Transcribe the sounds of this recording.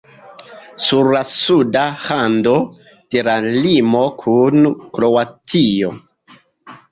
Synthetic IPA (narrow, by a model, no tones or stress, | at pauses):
suɾlasudahando̞ | teɾalimo̞kʰunkɾo̞watʰijo̞